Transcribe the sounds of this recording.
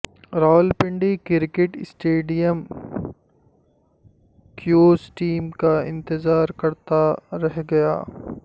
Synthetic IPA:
ɾaːlpɪ̃ɳɖikɪɾkeʈɪsʈeːɖijəm | kjoːzʈiːmkaɪ̰̃nt̪ɪzaːɾkɐɾt̪aɾɛɦɡɐja̰ː

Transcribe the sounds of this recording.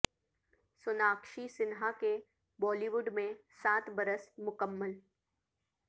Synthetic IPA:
sʊnaːkʃisɪnɦake | bɔːliʋʊɖmẽsaːt̪bɐɾəsmʊkəmːəl

